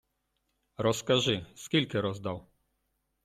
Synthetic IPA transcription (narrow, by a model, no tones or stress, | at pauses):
ɾɔskaʐɨskʲilʲkɛɾɔzd̪aw